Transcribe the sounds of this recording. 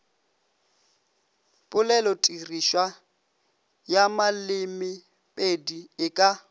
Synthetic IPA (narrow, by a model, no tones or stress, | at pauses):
pʼʊlɛlɔtʼiriʃwa | jamalɪmɪ | pʼediɪkʼa